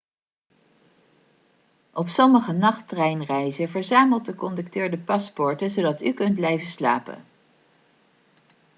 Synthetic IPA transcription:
ʔɔpsɔməχənɑχtrɛjnrɛjzəvəɹzaːməlˠt̚dəkɔndɵk̚tøːɹdəpɑspɔɹtənzowdɑtykɵnd̚blɛjvəsla̰ːpə̰n

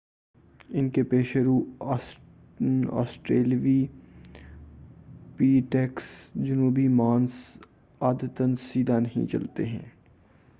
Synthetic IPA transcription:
ɪnkepeːʃeɾuː | ɔ̰ːsʈɾeːlʋi | piːʈɛksd͡ʒɐnuːbimaːns | aːd̪ət̪ənsiːd̪ʱanɐɦḭ̃t͡ʃɐ̰lt̪ḛɦɛ̰̃ː

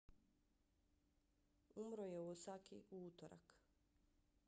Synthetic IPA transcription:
umɾojeuosakḭuut̪oɾa̰k

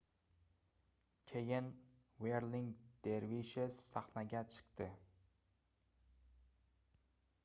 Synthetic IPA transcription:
kʲʰejɪn | weɾlɪŋd̪̥eɾviʃessaχnaɡʲat͡ʃʰɨ̥q̚t̪ʰɪ

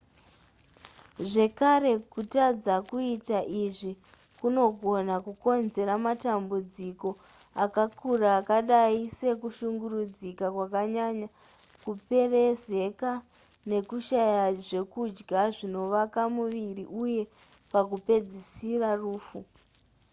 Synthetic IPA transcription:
ʐe̞kaɾe̞kutad͡zakuitaʔiʐi | kuno̞ɡʱo̞nakuko̞nze̞ɾamatambud͡ziko̞ | akakuraːkaɗaise̞kuʃuŋɡurud͡zikakwakaɲaɲa | kupe̞reze̞ka | ne̞kuʃajaʐe̞kud͡ʒɡaʐino̞ʋakamuʋiriʔuje̞ | pakupe̞d͡zisiraruːfu

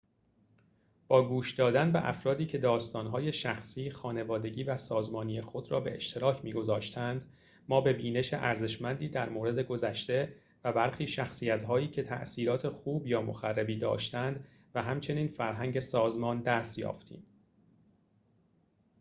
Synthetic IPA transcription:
b̥ɒːɡuːʃd̪ɒːd̪ænbe̞̰ʔæ̰fɾɒːd̪iːcʰe̞d̪ɒːst̪ɒːnɦɒːje̞ʃæxsiːxɒːne̞vɒːd̪e̞ɟiːvæsɒːzmɒːniːjexo̞d̪ɾɒ̰ːbe̞̰ḛʃt̪ʰe̞ɾɒːcʰmiːɡo̞zɒːʃt̪ʰænd̪ | mɒːbe̞biːne̞ʃeʔæɾze̞ʃmænd̪iːd̪æɾmoːɾe̞d̪e̞ɡo̞zæʃt̪e̞ | væbæɾxiːʃæxsiːjæt̪ɦɒːiːcʰe̞t̪ʰæ̰ʔsiːɾɒːt̪ʰe̞xuːbjɒːmo̞̰xærːebiːd̪ɒ̰ːʃt̪ænd̪ | væɦæmt͡ʃʰe̞niːnfæɾɦæŋɟe̞sɒːzmɒːnd̪æst̪jɒ̰ːft̪ʰḭːm

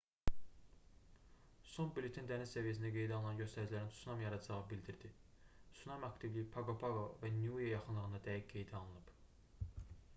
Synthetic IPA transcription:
so̞nbilʲˠet̪ʰind̪ænizsævijæs̬ind̪æɡe̞jd̪æɑlˠɯnɑnɟø̞st̪æɾd͡ʒilæɾinsunɑmjɑɾɑd͡ʒɑʁɯbild̪iɾd̪i | sunɑmɑkt̪ivlijipʰɑɡopʰɑɡovænujejɑχɯnlˠɯʁɯnd̪ɑd̪æjicɡe̞jd̪æɑlˠɯnɯb̥

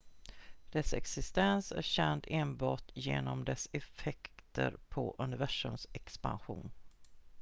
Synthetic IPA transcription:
d̪̥ɛsɛksɪst̪ɛnsæ̰ɾɕɛnd̪eːnbɑːʈjeːnɔmd̪ɛsɛfɛkt̪ʰə̰ɾpʰɔʔɵnɪvæʂɵmsɛkspa̰nɧṵːn

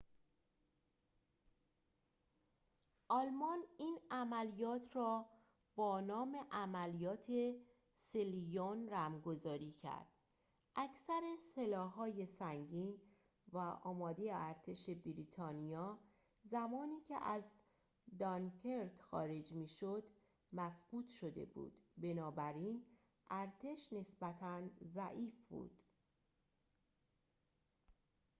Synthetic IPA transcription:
ʔɒlmɒniːnæmælijɒːt̪ʰrɒː | bɒːnɒːme̞ʔæmælijɒːt̪ʰe̞ | selijonræmɡo̞zɒːɾiːcʰæ̰ɾd̪̥ | ʔæcʰsæɾeselɒːɦːɒːje̞sæŋɟiːn | væʔɒːmɒːd̪ejeæɾt̪ʰe̞ʃe̞biɾiːt̪ʰɒːnijɒː | zæmɒːniːcʰḛʔæz | d̪ɒnkʰeɾt̪xɒ̰ːɾe̞d͡ʒmiːʃod̪ | mæfɡ̥uːt̪ʃo̞d̪e̞̰bṵːd̪̥be̞nɒːbæɾiːn | ʔæɾt̪ʰe̞ʃne̞sbæt̪ʰænzæʔiːfbṵːd̪̥

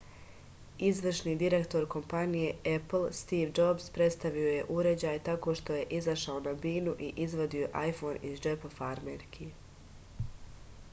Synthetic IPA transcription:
izʋr̩ʃniːd̪iɾe̞kt̪o̞ɾko̞mpanije̞epl̩st̪iːʋd͡ʒo̞bspɾe̞t̪st̪aʋio̞je̞ʔuɾe̞d͡ʑaːjt̪ako̞ːʃt̪o̞je̞ʔizaʃaonabiːnuʔiʔizʋo̞d̪ioʔajfo̞nizd͡ʒepafaɾmeɾkʰi

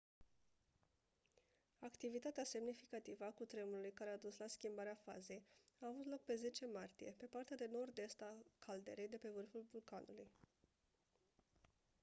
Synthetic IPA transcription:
akt̪ivit̪at̪ease̞mnifikat̪ivəakut̪ɾemulujkaɾead̪uslaskʲimbaɾeafa̰ze̞jaːvut̪lo̞k̚pe̞ze̞t͡ʃe̞mart̪ije̞pe̞part̪ead̪e̞no̞rd̪e̞st̪akʰald̪e̞̰ɾe̞jd̪e̞pe̞vɨrfulvulkanuluj

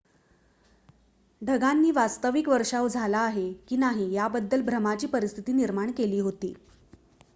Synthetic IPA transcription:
ɖʱəɡanːiːʋast̪əʋikʋəɾʂaʋd͡zʱalaːɦekiːnaɦiːjabəd̪ːəlbʱɾəmat͡ɕiːpəɾist̪ʰit̪iːniɾmaɳkeliːɦot̪ḭː

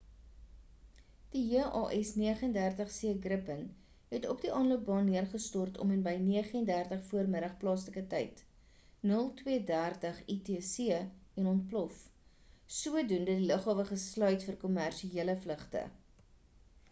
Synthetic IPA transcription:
d̥iɦiəʔɑːʔɛsniəχəəndærtəχsiəɡrəpən | ɦɛtɔp̚diʔɑːnluəp̚bɑːnːiərχəstɔrtʰɔ̰mɛnbəjniəχəəndærtəχfuərməɾəχplɑːsləkətɛjt | nəlˠtwiədærtəχitesiəɛnɔnt̚plɔf | suədundədiləχɑːvəχəslœɥtfərkɔmærʃieələfləχtə̰

